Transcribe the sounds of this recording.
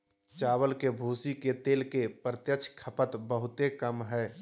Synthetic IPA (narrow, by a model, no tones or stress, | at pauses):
t͡ʃaːwəlkebʱuːsiket̪eːlkepəɾət̪jət͡ʃʰkʰəpət̪bəɦʊt̪ekəmɦɛː